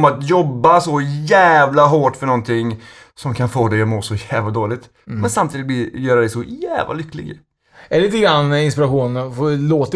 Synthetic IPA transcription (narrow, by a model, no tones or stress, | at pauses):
mat̪jɔbːasɔjæːvlaɦoːʈfœɳɔnt̪ʰɪŋː | sɔmkʰanfoːd̪ɛjɔmoːsɔjæːvlad̪oːlɪɡ̚t̪ | mɛnsamt̪ʰiːd̪ɪt̚blɪɾjœːɾad̪ɛɪsɔjæ̰ːvla̰lʏkːlɪ̰ɡ | ɛliːt̪əɡɾanːɪnspɪɾaɧuːnfɔloːt̪